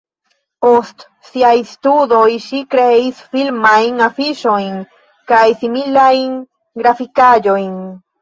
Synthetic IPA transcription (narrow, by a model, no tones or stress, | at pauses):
ost̪ | siajst̪udo̞jʃikɾeisfilmajnafiʃo̞jn | kajsimilajn | ɡɾafikad͡ʒo̞jn